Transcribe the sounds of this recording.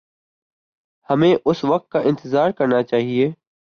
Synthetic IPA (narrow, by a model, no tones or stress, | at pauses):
hɐmẽʔʊsʋɐk̚t̪̚kaʔɪ̃nt̪ɪzaːɾkɐɾnat͡ʃaːɦieː